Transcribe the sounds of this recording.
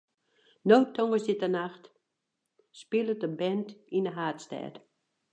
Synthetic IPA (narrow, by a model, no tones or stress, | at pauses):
nowtʰoŋəsɪtənaxt | spɪlˠətəbɛntinəɦaːtstɛ̰ːt